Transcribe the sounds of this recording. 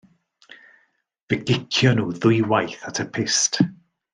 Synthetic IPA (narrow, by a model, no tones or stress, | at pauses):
vəɡɪkʰjɔnuːðʊjwajθatʰəpʰɪst